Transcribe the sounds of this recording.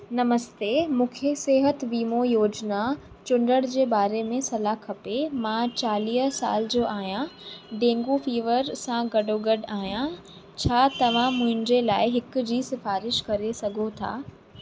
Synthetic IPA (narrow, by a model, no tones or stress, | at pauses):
nɐməst̪eːmũːkʰeseːɦət̪ɪʋiːmojoːd͡ʑna | t͡ɕʊ̃ɳɖəɽ̃d͡ʑeːbaːɾemẽsɐlakʰɐpemãt͡ɕaːliːɦsa̰ːld͡ʑoːʔaːɦjãɖẽːŋɡufiːʋəɾsãɡɐɖoɡɐɖaːɦijã | t͡ɕʰaːt̪ɐʋ̤ãmʊ̃ɦɪ̃nd͡ʑelaːɪɦɪkʊ̆d͡ʑiːsɪfaːɾɪʃkɐɾesɐɡʱot̪ʰa̰ː